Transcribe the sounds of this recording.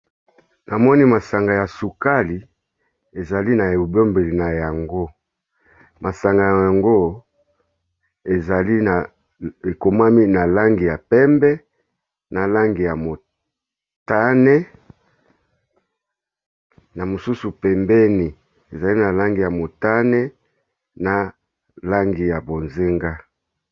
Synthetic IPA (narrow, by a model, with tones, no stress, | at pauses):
na˨mɔ˦ni˦ma˨sa˨ŋɡa˨ja˨su˨ka˦li˨ | e˨za˨li˦na˨e˨o˨bo˦mbe˨li˨na˨ja˨ŋɡo˦ | ma˨sa˨ŋɡa˨ja˨ja˨ŋɡo˦ | e˨za˨li˦n˨ | e˨ko˨ma˦mi˦na˨la˦ŋɡi˨ja˨pɛ˦mbɛ˦ | na˨la˦ŋɡi˨ja˨mo˨ | ta˦nɛ˦ | na˨mo˨su˦su˨pɛ˨mbɛ˦ni˨ | e˨za˨li˦na˨la˦ŋɡi˨ja˨mo˨ta˦nɛ˦ | na˨ | la˦ŋɡi˨ja˨bo˨nze˦ŋɡa˦